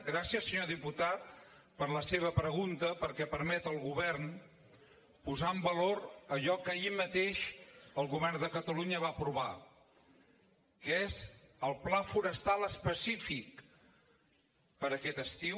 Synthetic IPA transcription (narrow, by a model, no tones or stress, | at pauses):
ɡɾasiəsəɲoðiput̪at̪̚ | pəɾləseβ̞əpɾəɣunt̪əpəɾkɛpəɾmɛt̪əlˠɣuβɛrn | puzambəloɾəʎɔkəimət̪eʃəlˠɣuβɛrnd̪əkət̪əluɲəβapɾuβa | kəezəlˠplafuɾəst̪alˠəspəsifik̚ | pəɾəkɛt̪əst̪iw